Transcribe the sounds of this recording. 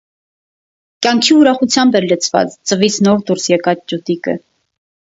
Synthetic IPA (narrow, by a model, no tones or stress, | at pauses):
kʲjɑŋkʰiuɾɑχut͡sʰjɑmbɛɾlət͡sʰvɑ̰t͡st͡səvit͡sʰnɔɾd̪uɾsjɛkɑt͡sd͡ʒut̪ikə̰